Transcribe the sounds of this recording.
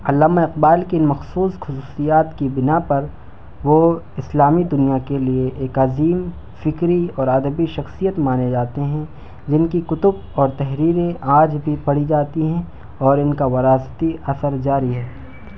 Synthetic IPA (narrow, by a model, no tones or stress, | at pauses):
ɐlːaːmaɪqbaːlkiɪnmɐxsuːsxʊsuːsijaːt̪kibɪnapɐɾ | ʋo | ɪslaːmid̪ʊnijakelieʔeːkɐziːm | fɪkɾiɔːɾɐd̪əbiʃɐxsijət̪maːned͡ʒaːt̪eɦɛ̃ | d͡ʒɪnkikʊt̪ʊb | ɔːɾt̪ɛɦɾiːɾẽʔaːd͡ʒbʱipɐɽid͡ʒaːt̪iɦɛ̃ | ɔːɾɪnkaʋɐɾaːst̪iɐsəɾd͡ʒaːɾiɦɛː